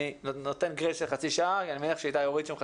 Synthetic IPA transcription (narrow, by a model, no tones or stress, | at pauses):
inot̪enɡʁedʃelχat͡siʃaakianimenieχʃeajt̪ajoʁid̪ʃemχa